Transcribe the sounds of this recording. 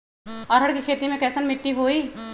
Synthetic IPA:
ɔːɾɦɐɽkikʰeːt̪imẽkɛːsənmɪʈːiɦoːiː

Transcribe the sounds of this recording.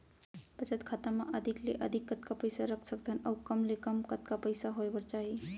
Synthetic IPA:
pət͡ʃət̪kʰaːt̪amãʔəd̪ʱikleʔəd̪ʱikːət̪̚kapəjsaɾəkʰsək̚d̪ʱənɐːkɐmlekəmkət̪kapəjsaɦoebəɾt͡ʃaːɦi

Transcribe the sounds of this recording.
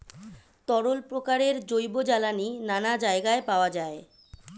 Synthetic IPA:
t̪ɔɽolpɾokaɾeɾd͡ʑojbod͡ʑalaninanad͡ʑaeɡaepaoad͡ʑae

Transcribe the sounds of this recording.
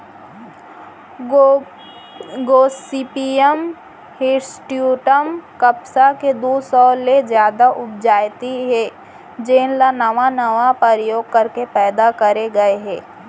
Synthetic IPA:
ɡoːsipiəm | hɪɾsʈjuːʈəmkəpsaked̪oːsɔːlezjaːd̪aʔʊb̚d͡ʒaːjt̪iɦɛː | d͡ʒeːnlanɐʋanɐʋapəɾjoːɡ̚kɐɾkepɛːd̪akɐɾeɡɐeɦɛ̃ː

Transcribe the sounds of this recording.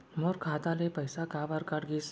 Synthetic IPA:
moɾkʰat̪alepəjsakabaɾkaʈɡis

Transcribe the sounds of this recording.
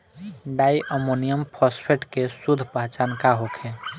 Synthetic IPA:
ɖajʔəmonijəmpʰɔspʰeʈkesud̪ʱpat͡ʃankaɦokʰe

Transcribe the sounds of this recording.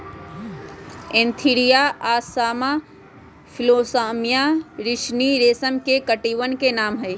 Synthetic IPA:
ẽnt̪ʰiɾijaʔaːsaːma | pʰɪloːsaːmijaɾɪʃniɾeːsəmkekəʈiːʋənkenaːmɦɛː

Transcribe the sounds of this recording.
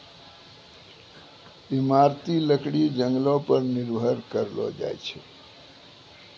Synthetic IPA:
imaɾt̪iləkɽid͡ʒəŋɡlõpəɾniɾbʱəɾkəɾlɔ̰d͡ʒa̰jt͡ʃʰɛ

